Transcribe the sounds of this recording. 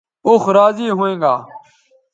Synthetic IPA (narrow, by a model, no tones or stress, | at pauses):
ʊxɾaːziːɦuẽːŋɡa̰ː